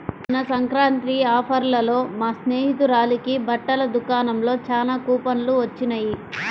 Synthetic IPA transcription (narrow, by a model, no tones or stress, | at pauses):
ɐnɐsɐŋkɾaːnt̪ɾiaːpʰɐɾlɐlo̞ːmaːsne̞ːɦit̪uɾaːlikibʱɐʈːɐlɐd̪ukaːnɐmlo̞ːt͡ʃaːlaːkuːpɐnluʋɐt͡ʃːinɐji